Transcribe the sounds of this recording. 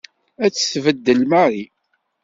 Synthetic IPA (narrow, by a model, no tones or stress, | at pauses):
æt͡sːθvəd̪ːəlmaɾi